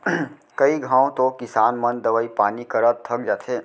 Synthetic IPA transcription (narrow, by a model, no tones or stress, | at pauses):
kɐiɡʱãːõt̪okɪsaːnmɐ̃nd̪ɐʋəipaːnikɐɾət̪̚t̪ʰɐk̚d͡ʒaːt̪ʰeː